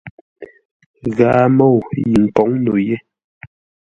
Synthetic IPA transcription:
ɣaː˨mɔ˦˨wji˨ŋ̩˨kɔ˨˦ŋno˨je˦

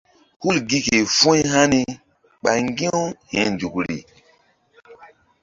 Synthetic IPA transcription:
hu˦lɡi˦ke˨fũ˦jɦa˦ni˦ | k͡pa˨ŋɡĩ˦hɛ̃˨nd͡ʒu˨kɾḭ˨

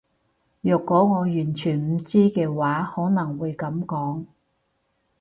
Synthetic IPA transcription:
jœː˨kːɔː˨˥ŋɔː˨˧jyː˨˩nt͡ʃʰyː˨˩nm̩˨˧t͡siː˥kɛː˧waː˨˥hɔː˨˥nɐ˨˩ŋwuː˨˧jkɐ˨˧˥mkɔː˨˥ŋ

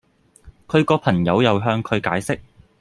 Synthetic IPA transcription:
kʰɵ˨˧ɥkɔː˧pʰɐ˨˩ŋjɐ˨˧wjɐ˨wɦœː˧ŋkʰɵ˨˧ɥkaː˨˥jsɪ˥k̚

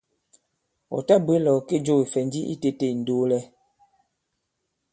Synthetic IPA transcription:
ɔ̰˨ta˦be˦lɔ˨ke˦d͡ʒo˦˨i˨fɛ˨n˦di˦ʔḭ˦te˦te˨n̩˨do˦lɛ˦

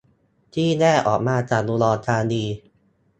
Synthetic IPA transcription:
t̪ʰiː˥˩nɛː˥˩ʔɔ̰ː˨˩k̚maː˧t͡ɕaː˨˩luː˧lɔː˧t̪ʰaː˧niː˧

